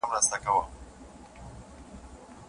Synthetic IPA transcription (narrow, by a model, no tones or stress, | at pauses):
amɾast̪akawa